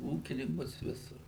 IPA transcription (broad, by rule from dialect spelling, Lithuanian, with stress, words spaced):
ˈuːkʲɪnʲɪŋkʊs ˈʋʲɪsʊr